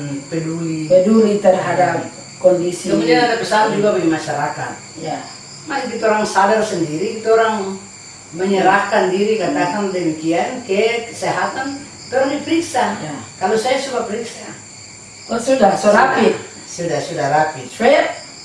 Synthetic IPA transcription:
pɛduipɛduɾit̪ərɦada | kɔndisiɔmadapəsald͡ʒuɡabimaʃaɾaka̰t̪̚ja | maɾik̬it̪ɔɾaŋsadarsəndiɾit̪ɔɾaŋ | məɲəɾakandiɾikat̪akandɛmikiankɛkəsɛɦat̪an | t̪ɔɾaŋdipəɾiksajkalosajasubapəɾiksa̰ | sudasɾapi | sudahsudahlapit͡ʃɛ

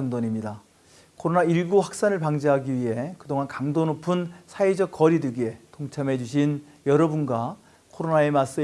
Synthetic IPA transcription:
ʌŋdʌɲimɲida | kʰoɾonaiɭɡuɸwak̚s͈anɯɭpaŋd͡ʑeɦaɡiɥiɦe̞kɯdoŋankaŋdonopʰɯnsʰaid͡ʑʌk͈̚ʌɾideɡie̞toŋt͡ɕʰamɦe̞d͡ʑuɕʰin | jʌɾʌbunɡa | kʰoɾonae̞mas͈ɯ

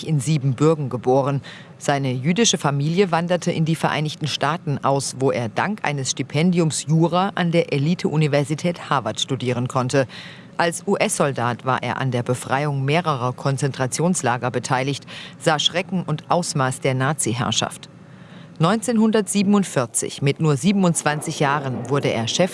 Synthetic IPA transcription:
çɪnziːbm̩bʏɐɡŋ̩ɡəboːʁ̞ən | z̥aɪnəjyːdɪʃəfamiːljəvandɐtʰəʔɪndiːfɛɐʔa̰ɪnɪçtn̩ʃtaːtn̩ʔaʊsvoːʔeːɐdaŋkʔa̰ɪnəsʃtipʰɛndiʊmsjuːʁaːʔandeːɐʔeliːtʰəʔunivɛɐzitʰɛːthaːvatʃtudiːʁ̞ənkʰɔntə | ʔalsʔuːʔɛsz̥ɔldaːtv̥aːɐʔḛːɐʔa̰ndeːɐbəfʁ̥aɪʊŋmeːʁəʁɐkʰɔnt͡sɛntʁ̥at͡sjoːnslaːɡɐbətʰaɪlɪçtz̥aːʃʁ̥ɛkŋ̩ʊntʔaʊsmaːsd̥eːɐnaːt͡siɦɛ̰ɐʃa̰ft | nɔʏnt͡seːnhʊndɐtz̥iːbəm̩ʊntfɪɐt͡sɪ̰çmɪtnuːɐziːbm̩ʊntt͡sv̥ant͡sɪçjaːʁənvʊɐdəʔḛːɐʃɛf

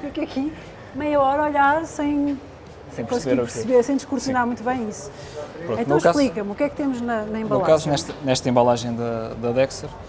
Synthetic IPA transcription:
ukɐkʰi | mɐjɐɔɾɐɔʎaɾsɐ̃j̃ | sɐ̃j̃pkõsβeiɾpɾɾsβeɾsɐ̃j̃d̪iʃkuɾsiunaɾmũj̃t̪uβɐ̃j̃isu̥ | pɾõtẽt̪ɐ̃w̃ʃkaplˠikɐmukɛk̚t̪emuʒnɐnɐẽmbɐlˠkaznɛʃt̪ɐnɛʃt̪ɐẽmbɐlˠaʒɐ̃j̃d̪ɐd̪ɐðɛksɛɾ

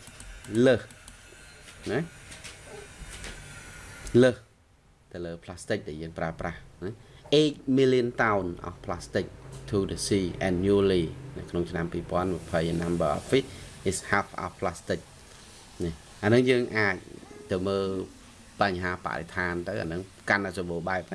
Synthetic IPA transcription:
ləːh | nɛh | ləːh | t̪ɨləːpʰlaːst̪ɨk̚ɗaɛjəːŋpraəprahnɛʔeːc̚milːiənt̪aʊnʔa̰hpʰlast̪ɨk̚t̪ʰuːdesiːʔɛnjuːliːnɨwkʰnoŋt͡ɕʰnampiːpŏənmɨəpʰəjnamɓəːʔfihishapʰʔa̰hpʰlast̪ɨk̚ | nɛh | ʔanɨŋjəːŋʔaːc̚t̪ɨwməːl | paɲɦaːpa̰ʔrḛt̪ʰaːnt̪ɨwʔa̰nɨŋ | kanʔasɔɓoːɓaɛp̚a

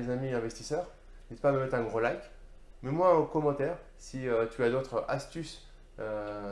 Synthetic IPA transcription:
ezamiɛ̃vɛst̪isœːʁ | nɛt̪əpaməmɛt̪χɛ̃ɡʁolajkʲ | mɛmwaokɔmɑ̃t̪ɛːʁ | siøt̪ʰyad̪ot̪χʔast̪ys | ø

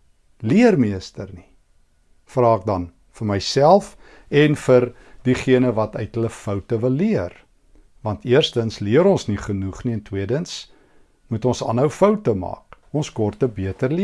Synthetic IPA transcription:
liərmiəstərni | frɑːk̚dɐn | fərməjsælˠf | ɛnfər | diχiənəvɐtœ̰ɥtɦələfœwtəvəlːiər | vɐntiərstənsliəɾɔnsniχənuχniɛntwiədəns | mutɔnsɑ̰nɦəwfəwtəmɑ̰ːk | ɔnskɔrtəbiətərli

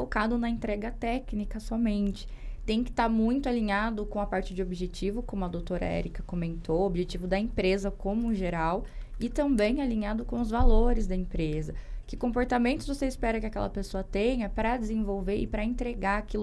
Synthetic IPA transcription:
okad̪ʊnɐẽnt̪ɾɛɡɐt̪ɛknikɐsɔmẽnt͡ʃɪ̥ | t̪ẽj̃kɪ̥t̪aɾmũj̃t̪ʊaliɲad̪ʊkõw̃ɐpaɾt͡ʃɪd͡ʒɪobiʒet͡ʃivʊkõmʊɐd̪owt̪oɾɐ̰ɛ̰ɾikɐkomẽnt̪owobiʒet͡ʃivʊd̪ɐẽpɾezɐkõmʊʒeɾawɪt̪ɐ̃mbẽj̃aliɲad̪ʊkõw̃ʊzvaloɾɪzd̪ɐẽpɾezɐkɪkõpoɾt̪amẽnt̪ʊzvoseispɛɾɐkɪɐkɛ̰lɐ̰pesoɐt̪ẽɲɐpɾɐd͡ʒɪzẽvowveɾɪ̰pɾɐẽnt̪ɾeɡaakilʊ

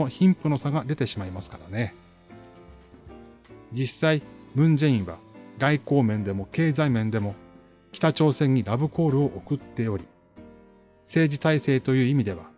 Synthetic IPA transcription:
oçĩmpɯ̟no̞saɡad̪e̞t̪e̞ɕimaimasɨ̥kaɾane̞ | d͡ʑisaimɯ̟̃ɲ̟d͡ʑẽĩɰ̃βa̰ɡaiko̞ːmẽ̞nd̪e̞mo̞ke̞ːzaimẽ̞nd̪e̞mo̞ | kʲi̥t̪at͡ɕo̞ːsẽ̞ɲ̟ːiɾabɯ̟ko̞ːɾɯ̟o̞ʔokɯ̟t̪ːe̞o̞ɾʲi | se̞ːd͡ʑit̪aise̞ːt̪o̞jɯ̟ːimʲid̪e̞βa

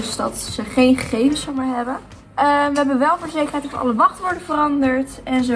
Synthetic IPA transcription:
sdɑtsəχejnχəχejvənsowmaːɹɦɛbə | əʋəɦɛbəʋɛlˠvoːɹzejkərɦɛjtɔɑtəɑ̰ləʋɑχtəʋɔɹdəvərɑndəɹtɛnzo

